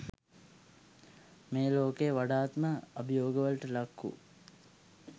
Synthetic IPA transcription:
meːloːkejʋaɖaːt̪məɐbijoːɡəʋəlʈəlɐkːṵ

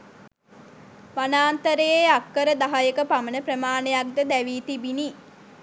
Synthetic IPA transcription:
ʋanaːnt̪əɾejeakːəɾəd̪aɦajəkəpamənəprəmaːnejak̚d̪əd̪æʋiːt̪ibini

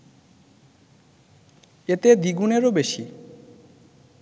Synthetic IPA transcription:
et̪ed̪iɡuneɾobeʃi

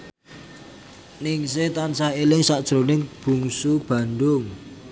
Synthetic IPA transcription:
nɪŋset̪ansaɦelɪŋsaʔd̥ʒ̥ɾo̤nɪŋb̥ṳŋsub̥ä̤nd̪ʊŋ

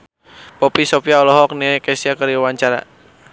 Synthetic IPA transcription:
pɔpisɔpiaɔlɔɦɔk̚nɛkɛsiakəɾiwaɲt͡ʃaɾa̰

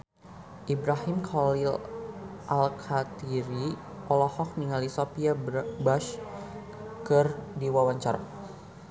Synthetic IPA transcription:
ʔibɾaɦimkʰɔlil | ʔalkʰat̪iɾi | ʔɔlɔhɔk̚niŋalisopiabaʃ | kɨrdiwawaɲt͡ʃa̰ra

